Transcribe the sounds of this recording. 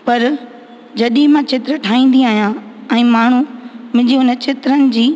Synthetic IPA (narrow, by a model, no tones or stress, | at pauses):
pɐɾ | d͡ʑɐɗĩmãt͡ɕʰɪt̪ɾəʈʰaːĩːn̆d̪iaːɦijãɛ̃ːmaːɳ̤umɪ̃d͡ʑiɦʊnət͡ɕɪt̪ɾənɪ̆d͡ʑiː